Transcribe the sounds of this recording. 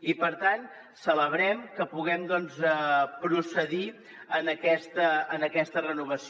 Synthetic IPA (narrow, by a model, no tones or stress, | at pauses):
ipəɾt̪an | sələβɾɛmkəpuɣ̞ɛmd̪ɔnzəpɾusəði | ənəkɛst̪əːnəkɛst̪ərənuβ̞əs